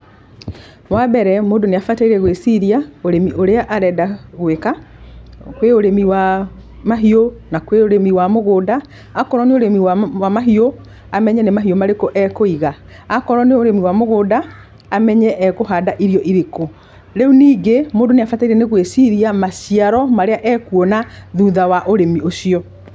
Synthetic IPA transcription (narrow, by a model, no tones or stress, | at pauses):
wabɛɾɛmoːdoneafataiɾɛɣwesiɾiaoɾemiʔoɾeaʔaɾɛːdaɣweka | kweoɾemiwa | maɦionakweoɾemiwamoɣoːdaː | kɔɾɔneoɾemiwawamaɦio | amɛɲɛnemaɦiomaɾekoʔɛkoiɣa | akɔɾɔneoɾemiwamoɣoːdaː | mɛɲɛʔɛɣoɦaːdaʔiɾijɔʔiɾeko | ɾeuniːɡemoːdoneafataiɾɛneɣwesiɾiamasiaɾɔmaɾeaʔɛːkuɔnaðuðawaʔoɾemiosiɔ